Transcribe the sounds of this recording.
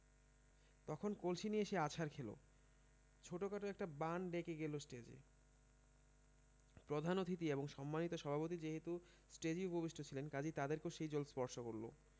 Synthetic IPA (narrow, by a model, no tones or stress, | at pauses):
t̪ɔkʰonkolʃinieʃeat͡ɕʰaɾkʰelo̰ | t͡ɕʰoʈokaʈoɛk̚ʈabanɖekeɡelosʈed͡ʑḛ | pɾod̪ʱanot̪ʰit̪̬ieboŋʃɔmːanit̪oʃɔbʱapot̪̬id͡ʑeɦet̪u | sʈed͡ʑiubʱobiʃʈʰot͡ɕʰilenkad͡ʑit̪ad̪eɾkeoʃejd͡ʑolspɔɾʃokoɾlo̰